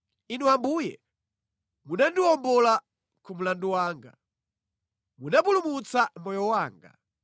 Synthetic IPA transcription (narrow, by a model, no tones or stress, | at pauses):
inuambuːjɛ̰ | munandiwɔmbɔla | kʰum̩landuwaːŋɡa̰ | munap̬ulumut͡samɔjɔwaːŋɡa̰